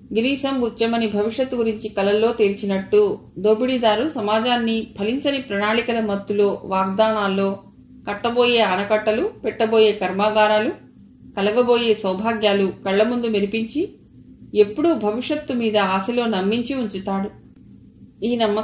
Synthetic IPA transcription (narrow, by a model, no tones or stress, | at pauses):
ɡiniːsɐmʋut͡ʃːɐmɐnibʱɐʋiʂjɐt̪ːɡuɾiɲt͡ʃikɐlɐlːo̞ːt̪e̞ːlt͡ʃinɐʈːu | d̪oːbiɽid̪aːɾusɐmaːd͡ʒaːnːibʱɐliɲt͡ʃɐnipɾɐnaːɭikɐlɐmɐt̪ːulo̞ːʋaːɡ̚d̪aːnaːlːo̞ː | kɐʈːɐbo̞ːje̞ːɐnɐkɐʈːɐlupɛʈːɐbo̞ːje̞ːkɐɾmaːɡaːɾaːlu | kɐlɐɡɐbo̞ːje̞ːsɐwbʱaːɡjaːlukɐɭːɐmund̪umeɾipiɲt͡ʃi | e̞pːuɽubʱɐʋiʂjɐt̪ːumiːd̪ɐaːsɐlo̞ːnɐmːiɲt͡ʃiuɲt͡ʃut̪aːɽu | iːnɐmːɐ